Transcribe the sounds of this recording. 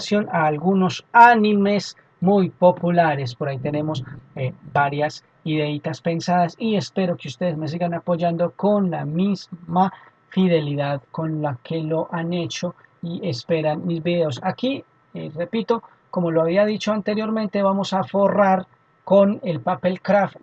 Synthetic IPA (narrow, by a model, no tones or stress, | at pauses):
sjo̞naːlɡuno̞sanime̞s | mujpo̞pulaɾe̞s̬poɾait̪e̞ne̞mo̞sebaɾjas | iðe̞it̪aspe̞nsaðasie̞spe̞ɾo̞keust̪e̞ðezme̞s̬iɡanapo̞ʝand̪o̞ko̞nlamizma | fiðe̞liðaðko̞nlake̞lo̞ʔane̞t͡ʃo̞ | ie̞spe̞ɾanmizbiðe̞osaki | re̞pit̪o̞ | ko̞mo̞loaβiað̞it͡ʃo̞ant̪e̞ɾjo̞ɾmẽnt̪e̞βamo̞safo̞raɾ | ko̞ne̞lpape̞lkɾaf